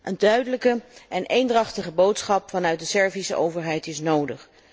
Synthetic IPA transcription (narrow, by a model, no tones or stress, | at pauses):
ʔəndœɥdələkəʔɛnʔejndrɑχtəχəbowtsχɑpfɑnœɥt̚dəsɛɹvisə̰ʔowvəɹɦɛjtɪsnowdəχ